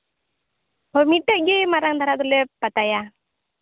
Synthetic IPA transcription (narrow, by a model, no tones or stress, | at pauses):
hɔmiʈɛʔɡemaɾaŋd̪aɾad̪ulɛpːat̪aja